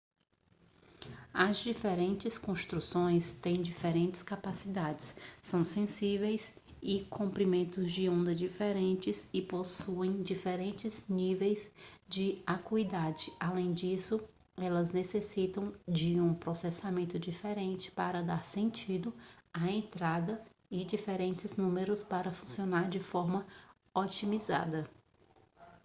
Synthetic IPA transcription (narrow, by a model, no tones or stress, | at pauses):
ɐzd͡ʒifeɾẽnt͡ʃɪskõst̪ɾusõj̃st̪ẽj̃d͡ʒifeɾẽnt͡ʃɪ̥skapasid̪ad͡ʒɪssɐ̃w̃sẽsivejs | ɪkʰõmpɾimẽnt̪ʊzd͡ʒɪõnd̪ɐd͡ʒifeɾẽnt͡ʃɪsɪposuẽj̃d͡ʒifeɾẽnt͡ʃɪznivejzd͡ʒɪakuid̪ad͡ʒɪalẽj̃d͡ʒisʊ | ɛlɐznesesit̪ɐ̃w̃d͡ʒɪũpɾosɛsamẽnt̪ʊd͡ʒifeɾẽnt͡ʃɪ̥paɾɐd̪aɾsẽnt͡ʃid̪ʊɐẽnt̪ɾad̪ɐ | ɪd͡ʒifeɾẽnt͡ʃɪznũmeɾʊspaɾɐfũsionaɾd͡ʒɪfɔɾmɐ | ot͡ʃimiza̰d̪ɐ